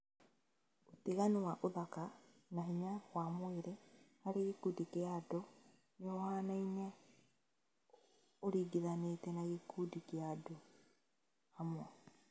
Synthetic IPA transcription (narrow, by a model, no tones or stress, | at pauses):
oteɣanewaʔoðaka | naɦiɲawamweɾehaɾeɣikudikeado | neɔhanainɛ | oɾiːɡiðanetɛnaɣikudikeado | hamwɔ